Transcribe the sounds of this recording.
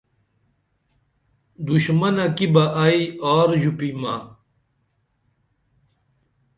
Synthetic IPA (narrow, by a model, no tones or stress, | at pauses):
d̪uɕmɐnɐkibɐʔɐiaːɾʑupimɐ̰